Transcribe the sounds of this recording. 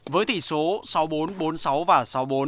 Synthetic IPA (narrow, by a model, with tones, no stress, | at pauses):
vəː˨˦jt̪ʰi˧˩so˨˦sa˨˦wɓo˨˦nɓo˨˦nsa˨˦wvaː˨˩sa˨˦wɓo˨˦n